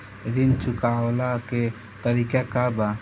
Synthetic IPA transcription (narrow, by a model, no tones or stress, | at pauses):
ɾint͡ʃukawlakɛ | t̪əɾikakaba